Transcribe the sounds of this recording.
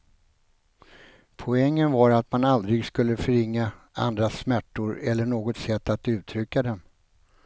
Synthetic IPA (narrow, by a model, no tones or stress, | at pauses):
pʰɔɛŋːənvaɾat̪manald̪ɾɪɡskɵl̪ːəfœɾɪŋːa | a̰nd̪ɾasmæʈːʊɾɛlːəɳoːɡɔt̪sɛt̪ːat̪ʉ̟ːt̪ʰɾʏkːad̪ɛm